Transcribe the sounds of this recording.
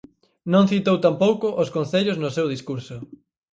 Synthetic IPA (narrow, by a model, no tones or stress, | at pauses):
nõŋθit̪owt̪ampowkʊʔoskõnθeʎoznʊsewðiskuɾsʊ